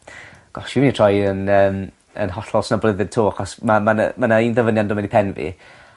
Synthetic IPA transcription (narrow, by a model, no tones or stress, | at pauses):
ɡ̥ɔʃinitʰrɔjənəːm | ə̰nɦɔɬɔlˠsnɔblˠəðɨd̚tʰoːaχɔsmaman̰manaiːnðəvənjandʊmɛnipʰɛnvḭ